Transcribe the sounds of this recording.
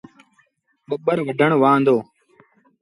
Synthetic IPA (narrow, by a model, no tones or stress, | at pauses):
ɓəɓəɾʋəɖʱəɳ̃ʋãːnd̪oː